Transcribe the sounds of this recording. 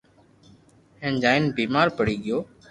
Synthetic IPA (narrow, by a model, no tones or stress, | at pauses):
hẽːnd͡ʒaːɪnbiːmaːɾpəɽiːɠɪjoː